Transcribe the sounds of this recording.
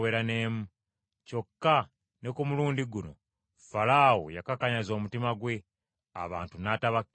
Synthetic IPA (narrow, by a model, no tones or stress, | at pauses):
weːɾane̞ːmu | co̞kːa | ne̞kumuluːndiɡuno̞̰ | falaːwo̰jakakaɲazo̞ːmutimaɡwe̞ | a̰βa̰ːntunataβak